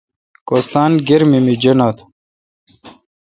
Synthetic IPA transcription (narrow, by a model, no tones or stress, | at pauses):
kost̪aːnɡiɾmimid͡ʑɐnat̪ʰ